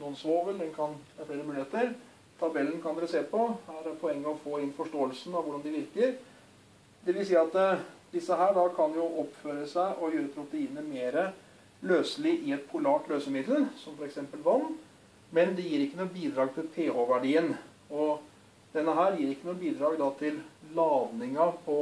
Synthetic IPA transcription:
nuːənsʋoːʋəld̪ɛnkʰɑnæɾfleːɾəmʉːeːt̪əɾ | t̪ʰɑbɛlːən̩kʰɑnd̪ɛɾəseːpʰɔhæɾpʰɔɛŋːəɔʋfoːɪnfɔʂʈoːəlsn̩ɑʋʊɖɑnd̪ɪʋɪɾkəɾ | d̪ɛʋɪlsiːɑt̪d̪ɪsːəɦæːɖɑkʰɑnjʊʔɔpføːɾəsæɪʔɔjøːɾəpʰɾʊt̪əiːnːəmeːɾə | løːsəlɪʔɪɛt̪̚pʰʊlɑːʈløːsəmɪd̪əl̩sɔmfɔɾɛksɛmpəlʋɑnː | mɛnd̪ɛjiːɾɪkːənuːəbiːd̪ɾɑːɡ̚t̪ʰɪlpʰeːoʋæɖiːən | ɔ | d̪̥ɛnːəɦæːɾjiːɾɪkːənuːəbiːd̪ɾɑːɡd̪ɑːt̪ʰɪllɑːd̪nɪŋɑpʰɔ

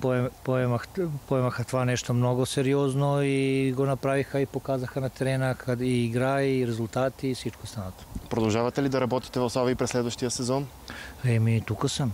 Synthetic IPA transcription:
popoɛmaxpoɛmaxat̪ʋanɛʃt̪omnoɡoseɾioznoiɡonapɾaʋixaipokazaxanat̪eɾenakʰad̪iiɡɾaiɾezulʲˠt̪aːt̪iːsit͡ʃkosanat̪o̥pɾod̪alˠʒavat̪ɛlid̪aɾabɔt̪i̥t̪ɛvosovaipɾɛslɛd̪vəʃt̪ijasɛzon | ɛmit̪ukosam

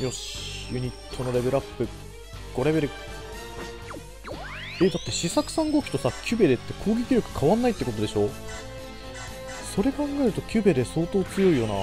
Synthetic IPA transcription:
jo̞ɕjɯ̟ɲ̟it̪ʰːo̞no̞ɾe̞be̞ɾɯapːɯ̟ | ɡ̥o̞ɾebe̞ɾɯ̟ | ed̪at̪ːe̞ɕisakɯ̟̥sãŋɡo̞kʲi̥t̪o̞sakʲʰɨbe̞d̪e̞t̪ːe̞kʰo̞ːɡʲekʲiɾʲjo̞kɯ̟̥kʰaβãnːait̪ːekot̪o̞d̪e̞ɕo̞ | so̞ɾe̞kãŋɡaeɾɯ̟t̪o̞kʲɨbe̞d̪e̞so̞ːt̪o̞ːt͡sɨjo̞ijo̞na̰

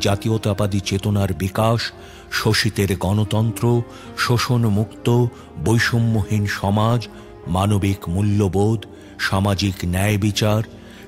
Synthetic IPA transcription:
d͡ʑat̪iot̪apad̪it͡ɕet̪onaɾbikaʃː | oʃit̪eɾɡɔnot̪ɔnt̪ɾo | ʃoʃonmukt̪o | bojʃomːoɦinʃɔmad͡ʑ | manobikmulːobod̪ | ʃamad͡ʑiknɛebit͡ɕaɾ

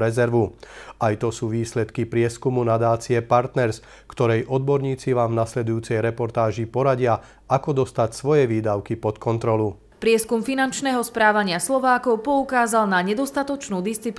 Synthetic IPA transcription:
ɾɛzɛɾʋuajt̪ɔsuːʋiːslɛt̪kipɾɪɛskumunad̪aːt͡siɛpaɾt̪nɛɾs | kt̪ɔɾɛjʔɔd̪̚bɔɾɲiːt͡siʋaːmvnaslɛd̪ujuːt͡sɛjɾɛpɔɾt̪aːʒipɔɾaɟɪa | akɔd̪ɔst̪acsʋɔjɛʋiːd̪aʊkipɔt̪kɔnt̪ɾɔlu | pɾɪɛskumfinant͡ʃnɛːɦɔspɾaːʋaɲɪaslɔʋaːkɔʊpɔukaːzalnaɲɛd̪ɔst̪at̪ɔt͡ʃnuːd̪ist͡sip

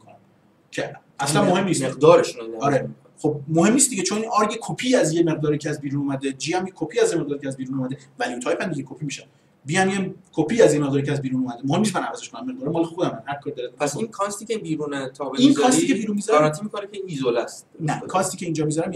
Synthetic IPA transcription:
k | cʰe | æslænmohe̞mːnismeɣd̪ɒːɾeʃunod̪æɒɾei | χob̚mohe̞mniːst̪d̪iɟet͡ʃʰoninɒɾɟekʰopʰiːæzjeme̞ʁd̪ɒːɾiːcʰɛæzbiːɾuːnuːmæd̪ed͡ʒiːæmjekʰopʰiæzjemeʁ̚d̪ɒːɾicʰɛæzbiːɾuːnuːmæd̪evæliut̪ʰɒːjpʰæmd̪iɟekʰopʰimiːʃæn | biːæmjekʰopʰiæzjemeʁd̪ɔɾiːcʰɛæzbiːɾuːnuːmæd̪emohemnis̬konæmævæzeʃkʰonæmːeʁd̪ɒɾemɒːlexod̪æmænhæɾkʰɒːɾid̪ɒɾæt̪ʰæsinkʰɒst̪iːkʲebiːɾuːnet̪ʰɒːbeinkʰɒsikʰebiːɾunmiːzɒɾɾat̪ʰːimikʰonekʰeinizolæst̪nækʰɒst̪iːcʰʲeiːnd͡ʒɒːmizɒɾæm

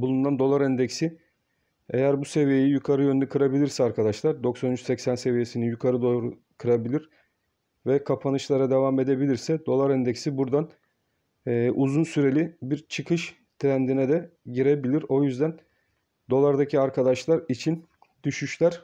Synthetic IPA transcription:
bulˠununand̪o̞lˠaɾɛnd̪ɛcsi | e̞̰jæɾbuse̞vije̞jijukʰaɾɯjønynɛkʰɯɾabilʲiɾsɛaɾkʰad̪aʃlˠaɾd̪o̞ksanyt͡ʃsɛcsænse̞vije̞sinijukʰaɾɯd̪oɾu | kʰɯɾabilʲiɾ | vɛkʰapʰanɯʃlˠaɾad̪e̞vame̞d̪e̞bilʲiɾsɛd̪o̞lˠaɾɛnd̪ɛcsibuɾd̪anː | ʔuzunsyɾe̞lʲibiɾt͡ʃʰɯkʰɯʃ | t̪ʰɾænd̪inɛd̪ɛɟiɾe̞bilʲiɾo̞jyzd̪æn | d̪o̞lˠaɾd̪acʰiaɾkʰad̪aʃlˠaɾit͡ʃʰin | d̪̥yʃyʃlʲæɾ̥

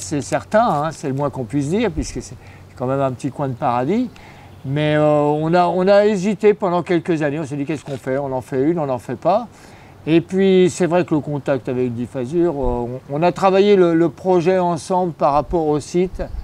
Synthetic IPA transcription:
sɛsɛʁt̪ɛ̃ɛ̃sɛləmwɛ̃kɔ̃pɥis̬d̪iʁpɥiskəsɛ | sɛkɑ̃mɛmɛ̃pət̪ikwɛ̃d̪əpaʁad̪i | mɛøɔ̃naɔ̃naezit̪epɑ̃d̪ɑ̃kʲɛlkəzaneɔ̃sɛd̪ikʲɛskɔ̃fɛɔ̃nɑ̃fɛynɔ̃nɑ̃fɛpa | epɥisɛvʁɛkələkɔ̃t̪ak̚t̪avɛkd̪ifazyʁøɔ̃ːnat̪χavajelələpχɔʒɛɑ̃sɑ̃bləpaʁːapɔʁosit̪

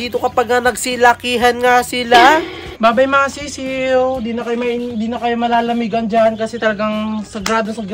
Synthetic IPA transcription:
diːt̪okɐpaɡ̚nɐnɐɡsilɐkiːɦɐnŋasɪla | baːbɐjmɐŋasiːsind̪iːnɐkɐjomɐjnd̪inɐkɐjomɐlaːlɐmiːɡɐnd͡ʒankɐsɛt̪ɐlɐɡaŋsɐɡɾaːd̪osɐɡ

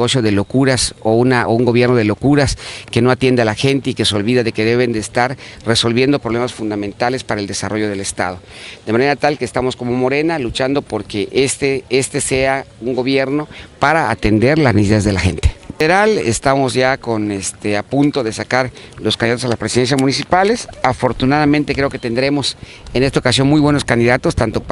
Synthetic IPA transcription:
ɣo̞sjo̞ð̞e̞lo̞kuɾasounaʔouŋɡo̞βje̞ɾno̞ð̞e̞lo̞kuɾaske̞noat̪jend̪ealaxe̞nt̪e̞ike̞seo̞lβiðaðe̞ke̞ðe̞βe̞nd̪eːst̪aɾre̞so̞lβje̞nd̪o̞pɾoβ̞le̞masfund̪amẽnt̪ale̞spaɾaeld̪esaroʝo̞ð̞e̞le̞st̪a̰ð̞o̞d̪emane̞ɾat̪alkeːst̪amo̞sko̞mo̞mo̞ɾe̞nalut͡ʃand̪o̞po̞ɾke̞ʔest̪eest̪e̞se̞auŋɡo̞βje̞ɾno̞paɾa̰ːt̪e̞nd̪e̞ɾlaznesiaðezðe̞laxe̞̰nt̪eeɾalḛst̪amo̞zʝako̞nest̪eapunt̪o̞ðe̞sakaɾlo̞skaniðat̪salaspɾesiðens̬jaszmunis̬ipale̞safo̞ɾt̪unaðamẽnt̪e̞kɾeo̞ke̞t̪e̞nd̪ɾe̞mo̞s | ene̞st̪aokasjo̞nmujβwe̞no̞skand̪iðat̪o̞st̪ant̪o̞p

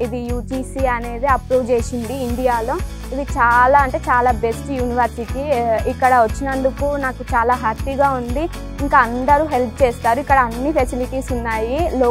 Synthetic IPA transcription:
id̪ijuːʈisiːɐne̞ːd̪iɐpɾoːʋd͡ʒeːʃiɳɖiːɳɖijaːloː | id̪it͡ʃaːlaːɐɳʈe̞ːt͡ʃaːlaːbesʈjuːniʋɐɾsiʈiikːɐɽɐʋɐt͡ʃːinɐnd̪ukunaːkut͡ʃaːlaːɦɐt̪ːiɡaːund̪i | iŋkaɐnd̪ɐɾuːɦelp̚ʰt͡ʃeːst̪aːɾuikːɐɽɐɐnːipʰesiliʈiːsunːaːjiloː

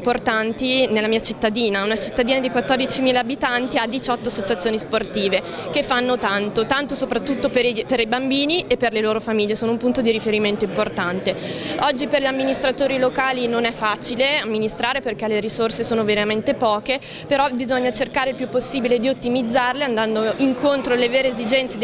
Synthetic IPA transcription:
mport̪ant̪inelːamiːat͡ʃit̪ːad̪iːnaunat͡ʃit̪ːad̪iːnad̪ikwat̪ːɔrd̪it͡ʃimiːlaːbit̪ant̪iad̪it͡ʃɔt̪ːoasːot͡ʃat̪sːjoːnisport̪iːvekefːanːot̪ant̪ot̪ant̪osopɾat̪ːut̪ːopeɾpeɾibambiːniʔepːerleloːɾofamiʎːesoːnoumpunt̪od̪iɾifeɾiment̪oimport̪ant̪eɔd͡ʒːiperʎamːinist̪ɾat̪oːɾilokaːlinonɛfːat͡ʃileamːinist̪ɾaːɾeperk̟ɛleɾisorsesoːnoveɾament̪epɔːke | peɾɔbizoɲːat͡ʃerkaːɾeilpjupːosːiːbiled̪iot̪ːimid̪zːarleand̪and̪oʔiŋkont̪ɾoleveːɾeezid͡ʒɛnt̪se

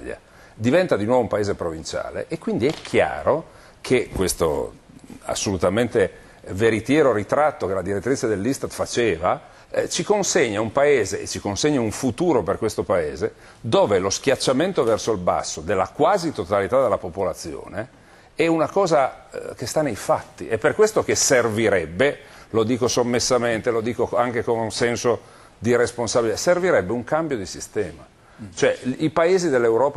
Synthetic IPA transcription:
ʎa̰ | d̪ivɛnt̪ad̪inwɔvoumpaeːzepɾovint͡ʃa̰ːlḛʔːkːwind̪iɛkʰːja̰ːɾo | kʰekwest̪o̰ | a̰sːolut̪ament̪e | veɾit̪jɛːɾoɾit̪ɾat̪ːokelad̪iɾet̪ːɾit͡ʃed̪elːist̪at̪fat͡ʃeːva | t͡ʃikonseɲːaumpaeːzeʔet͡ʃikonseɲːauɱfut̪uːɾoperkwest̪opaeːze | d̪oːveloskjat͡ʃːament̪ovɛrsoilba̰sːod̪elːa̰kwaːzit̪ot̪alit̪ad̪elːapopolat̪sːjo̰ːne | ɛunakɔːzakest̪anːejfat̪ːḭɛpːerkwest̪okeserviɾɛbːe | lod̪iːkosomːesːament̪elod̪iːkoaŋkekonusɛnso | d̪iɾesponsabiliserviɾɛbːeuŋkambjod̪isist̪ɛːma | t͡ʃoɛipaeːzid̪elːewɾɔːp

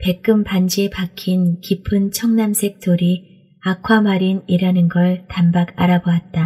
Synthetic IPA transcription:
pe̞k̚k͈ɯmband͡ʑipakʰinkipʰɯnt͡ɕʰʌŋnamsʰe̞k̚t͈oɾi | akʰwamaɾiniɾanɯnɡʌɭtambaɡa̰ɾaboat̚t͈a

